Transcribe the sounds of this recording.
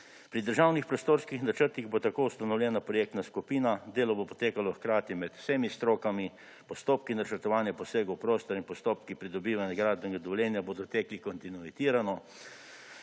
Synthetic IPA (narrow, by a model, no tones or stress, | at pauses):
pɾid̪əɾʒawnixpɾɔst̪oːɾskixnat͡ʃəɾt̪iɣbot̪akoːwst̪anɔwlʲjɛːnapɾɔjeːk̚t̪naskupiːnad̪eːlɔbopɔ̥t̪eːkalɔxkɾaːt̪imɛt̪w̥semist̪ɾoːkami | pɔst̪oːpkinat͡ʃəɾt̪ɔʋaːnjapɔseːɡowpɾoːst̪ɔɾinpɔst̪oːpkipɾid̪ɔbiːʋanjɛɡɾaːd̪bɛɡad̪ɔljɛːnjabod̪ɔt̪ɛːklikɔnt̪inuit̪iːɾanɔ